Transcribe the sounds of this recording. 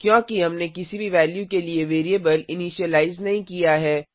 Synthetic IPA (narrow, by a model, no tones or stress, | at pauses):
kjõːkiɦɐmnekɪsibʱiʋɛːljukelieʋeːɾiebəlɪniːʃiəlaːɪznɐɦĩkijaɦɛː